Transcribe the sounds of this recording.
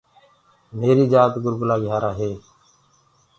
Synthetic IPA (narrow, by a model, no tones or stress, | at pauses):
meːɾiːd͡ʒaːt̪ɡʊɾɡʊlaːɡɪaːɾaːɦeː